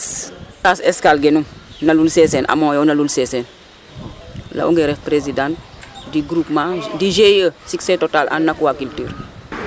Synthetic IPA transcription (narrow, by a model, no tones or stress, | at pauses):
staseskalɡenumnalulsesenʔa̰mõjonalulsesen | la̰ʔuŋɡeɾefpɾezidãntdiɡɾupmãdiʒejəsiksetotalʔa̰nːakuwakiltiːɾ